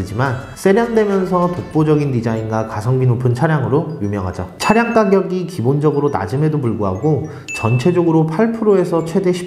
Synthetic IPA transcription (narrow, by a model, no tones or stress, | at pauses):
ɯd͡ʑiman | s͈e̞ɾjaŋdwe̞mjʌnsʰʌtok̚p͈od͡ʑʌɡindid͡ʑainɡakasʰʌŋbinopʰɯnt͡ɕʰaɾjaŋɯɾojumjʌŋɦad͡ʑʌ̰t͡ɕʰaɾjaŋk͈aɡjʌɡikibond͡ʑʌɡɯɾona̰d͡ʑɯme̞dopuɭɡoɦaɡo | t͡ɕʌnt͡ɕʰe̞d͡ʑʌɡɯɾopʰaɭpʰɯɾoe̞sʰʌt͡ɕʰwe̞de̞ɕʰi̥